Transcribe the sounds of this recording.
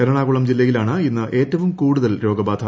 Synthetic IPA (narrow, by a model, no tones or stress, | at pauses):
ɐɾɐɳaːɣuɭɐmd͡ʑilːɐɣilaːɳɨinːɨʔe̞ːtːɐʋumkuːɽuðɐlɾo̞ːɡɐbaːd̪ʰʱɐ